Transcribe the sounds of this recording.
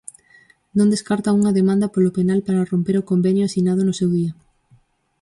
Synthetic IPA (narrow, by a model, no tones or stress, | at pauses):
nõnd̪eskaɾt̪ɐuŋɐðemãnd̪ɐpolopenalpaɾɐrompeɾokombɛnjʊasinaðʊnʊsewðiɐ